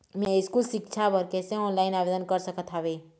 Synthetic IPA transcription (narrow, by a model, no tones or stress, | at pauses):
mɛ̃ɪskusɪkt͡ʃʰabəɾkɛːseɔːnlaːɪnaːbeːd̪ənkəɾsəkət̪ʰaːʋe